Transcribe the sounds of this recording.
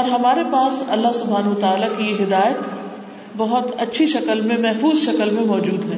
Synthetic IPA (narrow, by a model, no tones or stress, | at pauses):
ɔːɾɦɐmaːɾepaːsɐ̰lːaɦsʊbʱaːnʋət̪aːlakiɦɪd̪aːjət̪ | bɐɦʊt̪ɐtːʃʰiʃɐkəlmẽmɛɦfuːzʃɐkəlmẽmɔːd͡ʒuːd̪ɦɛː